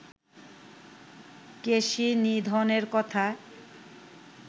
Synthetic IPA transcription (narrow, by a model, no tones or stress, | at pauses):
keʃinid̪ʱɔneɾkɔt̪ʰa